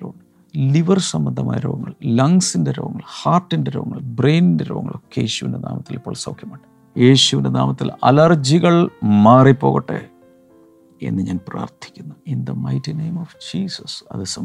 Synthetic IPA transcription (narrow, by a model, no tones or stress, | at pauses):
ɾoːŋːɐ | liʋɐrsɐmbɐnd̪ʱɐma̰ːjɐɾo̰ːʋɐŋːɐ̰ɭlɐŋsindeɾoːʋɐŋːɐ̰ɭhaːrʈːindeɾoːɐŋːɐ̰ɭbrejnindeɾoːʋɐ̰ŋːɐɭo̰kːeeːɕuʋḭnde̞na̰ːmɐt̪ːilipːoːɭsɐwkʰjɐmaːʈːɨ | jeːɕuʋindenaːmɐt̪ːilɐ̰lɐrd͡ʑiɣɐɭmaːripːo̞ːɣɐʈːɨ̰ | e̞̰nːɨɲaːnpra̰ːrt̪ʰi̥kʲːunːuind̪ɐmɐjtinejmofd͡ʑiːsɐsɐ̰ðɨsɐm